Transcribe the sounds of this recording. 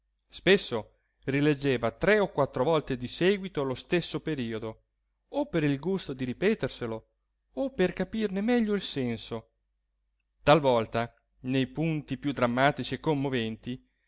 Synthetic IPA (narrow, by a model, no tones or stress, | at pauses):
spesːo | riled͡ʒːeːvat̪ɾɛokːwat̪ːɾovɔlt̪ed̪isɛːɡwit̪olost̪esːopeɾiːod̪o | opːeɾilɡust̪od̪iɾipɛːt̪erselo | opːerkapirnemɛʎːoilsɛnso | t̪alvɔlt̪a | nejpunt̪ipjud̪ɾamːaːt̪it͡ʃiekːomːovɛnt̪i